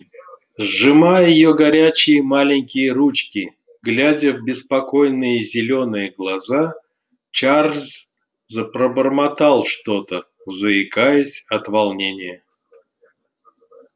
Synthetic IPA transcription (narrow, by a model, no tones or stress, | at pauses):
zʐɨmajɪjoɡɐɾʲæt͡ɕɪjəmalʲɪnʲkʲɪjəɾut͡ɕkʲi | ɡlʲadʲəvbʲɪspɐko̞jnɨjəzʲɪlʲo̞nɨjəɡlˠaza | t͡ɕarz | zəpɾəbərmat̪alˠʂt̪o̞t̪ə | zəɪkajəsʲɐt̪valˠnʲenʲɪjə